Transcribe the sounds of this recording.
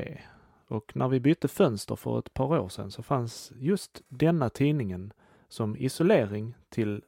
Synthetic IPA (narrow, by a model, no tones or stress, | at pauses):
ḛː | ɔknʔæɾvɪbʏt̪ːəfœnst̪ə̰ɾfœ̰ɾɛ̰t̪pʰɑːɾoːʂɛ̰nsɔfansjɵst̪d̪ɛnːat̪ʰiːnɪŋən | sɔmɪsʊleːɾɪŋt̪ʰɪl